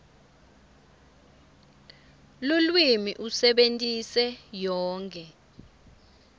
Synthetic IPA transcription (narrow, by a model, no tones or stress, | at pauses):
lulwimiʔusɛɓentʼisɛjɔːŋkʰʼɛ